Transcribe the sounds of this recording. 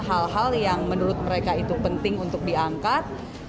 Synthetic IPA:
ɦalɦaljaŋmənuɾʊt̪̚məɾekait̪upənt̪ɪŋunt̪ʊk̚diaŋkat̪̚

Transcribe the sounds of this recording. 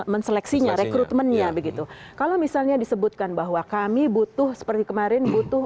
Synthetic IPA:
mənsəlɛksiɲaɾekɾut̪mənɲabəɡit̪ukalomisalɲadisəbut̪̚kanbaɦwakamibut̪ʊhsə̥pərt̪ikəmaɾɪnbut̪ʊh

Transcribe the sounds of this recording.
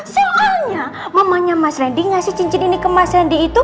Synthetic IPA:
soʔalɲaməmaɲamasɾɛndiŋasɪht͡ʃiɲt͡ʃɪninikəmasɾɛndiːt̪u

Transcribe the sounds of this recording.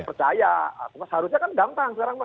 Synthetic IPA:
pərt͡ʃajaa̰pumashaɾus̬ɲakandamp̪aŋsəkaɾaŋma

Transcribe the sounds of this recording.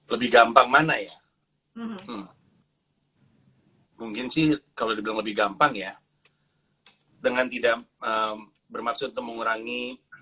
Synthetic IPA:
ləbɪhɡampaŋmanaja | muŋkɪnsɪhkalodibilaŋləbɪhɡampaŋja | dəŋant̪idaʔəm | bərmaksʊt̪unt̪ʊk̚məŋuɾaŋi

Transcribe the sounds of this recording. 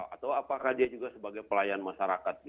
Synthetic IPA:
a̰t̪awapakahd͡ʒiad͡ʒuɡasəbaɡajpəlajanmaʃaɾakat̪̚ɡ

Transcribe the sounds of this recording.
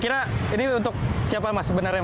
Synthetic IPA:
kiɾainiunt̪ʊk̚siapamasəbənarja

